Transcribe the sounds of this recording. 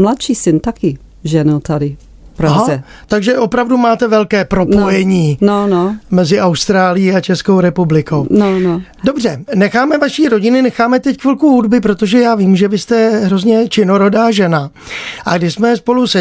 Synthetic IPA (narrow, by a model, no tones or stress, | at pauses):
mlat̪ʃiːsɪnt̪akɪ | ʒɛnut̪adɪ | pɾoaɦaɛ | t̪aɡʒɛʔo̞pɾavdumaːt̪ɛvɛlkɛːpɾo̞pojɛɲiːnonomɛzɪʔawst̪ɾaːlɪjiat͡ʃɛskowɾɛpublɪkownono | do̞br̝ɛnɛxaːmɛvaʃiːɾo̞ɟɪnɪnɛxaːmɛt̪ɛckʋɪlkuɦudbɪpɾo̞t̪oʒɛjaːviːmʒɛvɪst̪ɛɦɾo̞zɲɛt͡ʃɪnoɾodaːʒɛnaʔaɡdɪʃsmɛspo̞lusɛ